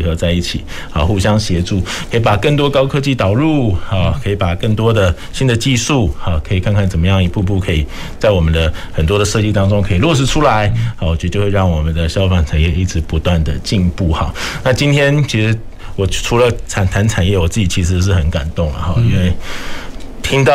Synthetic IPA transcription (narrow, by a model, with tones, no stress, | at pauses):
xɤ˧˦t͡sa˥˧ɪi˥˩t͡ɕʰi˨˩ | ɔ̰˨˩xu˥˩ɕjɑ˥ŋɕjɛ˧˥˦ʈ͡ʂu˥˩kʰɤ˧˥i˨˩pa˨˩kə˥˩ŋt̪wɔ˥kɑ˥ʊkʰɤ˥t͡ɕi˥˩t̪ɑ˨˩ʊɻu˥˩ɔ˨˩kʰəɤ˧˥i˨˩pa˨˩kə˥˩ŋt̪wɔ˦˥d̪ə˨ | ɕi˦˥nd̪ə˨t͡ɕi˥˧ʂu˥˩ɔ˨˩kʰə˧˥i˨˩kʰa˥˧nkʰa˥˩nt͡sə˨˩mə˦jɑ˥˩ŋi˧˥pu˥˧pu˥˩kʰɤ˧˥ḭ˨˩ | t͡sa˥˩ɪwɔ˨˩mə˦nd̪ə˨xə˨˩nt̪wɔ˥d̪ə˨ʂɤ˥˧t͡ɕi˥˧t̪ɑ˥ŋʈ͡ʂʊ˥ŋkʰɤ˧˥i˨˩lwɔ˥˧ʂ̬ɻ̩˥˩ʈ͡ʂʰu˥la˧˦ɪhwt͡ɕj̪ə˧t͡ɕjo˥˧we˥˧ɻɑ˥˩ŋwɔ˨˩mə˦nd̪ə˨ɕjɑ˥ʊfa˨˩ŋt͡sʰa˨˩njɛ˥˩i˥ʈ͡ʂʰɻ̩˧˥pu˧˥t̪wa˥˩nd̪ə˩t͡ɕi˥˧npu˥˩xɑ̰˨˩na˥˨t͡ɕi˥nt̪ʰjɛ˥nt͡ɕʰi˧˥ʂɻ̩˧˥ | wɔ˨˩ʈ͡ʂʰu˧˥lə˧t͡sʰa˨˩nt̪ʰa˧˥nʈ͡ʂʰa˨˩njɛ˥˩wɔ˨˩t͡sɹ̩˥˩t͡ɕi˨˩t͡ɕʰi˧˥ʂ̬ɻ̩˧˦ʂ̬ɻ̩˥˩xə˧˦nka˨˩nt̪ʊ˥˩ŋlə̰˩xɑ˥˩i˥nwe˥˩ɪ | t̪ʰi˥ŋt̪ɑ˥˨